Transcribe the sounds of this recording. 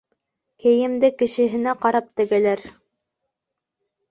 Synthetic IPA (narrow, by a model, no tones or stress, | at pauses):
kɘ̆jɘ̆md̪ɘkɘ̆ʃɘ̆ɦɘ̆næqɑɾɑp̚t̪ɘ̆ɡælæɾ